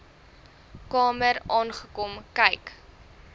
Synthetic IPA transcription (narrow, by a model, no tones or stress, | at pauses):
kɑːməɾɑːnχəkɔmkɛjk